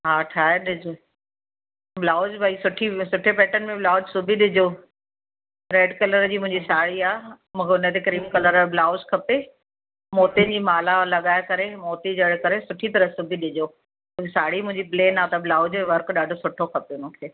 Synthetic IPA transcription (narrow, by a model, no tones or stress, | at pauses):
ɦaːʈʰaːɦeɗɪd͡ʑo | blaːʊd͡ʑbʱɐisʊʈʰisʊʈʰepɛːʈənmẽblaːʊd͡ʑsʊbʱiɗɪd͡ʑoː | ɾeːɖkɐləɾd͡ʑiːmʊ̃ɦɪ̃ɲd͡ʑisaːɽiaː | mũːkʰeʊnət̪ekɾiːmkɐləɾmẽblaːʊd͡ʑkʰɐpe | moːt̪iənd͡ʑiːmaːlalɐɠaːekɐɾemoːt̪id͡ʑɐɽ̤kɐɾesʊʈʰit̪ɐɾəɦsʊbʱiɗɪd͡ʑoː | mũesaːɽimʊ̃ɦɪ̃ɲd͡ʑipleːnaːt̪ɐblaːʊd͡ʑẽʋɐɾkɗaːɖʱosʊʈʰokʰɐpemũːkʰeː